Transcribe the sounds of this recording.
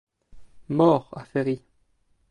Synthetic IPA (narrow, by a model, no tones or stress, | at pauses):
mɔʁa̰fɛʁi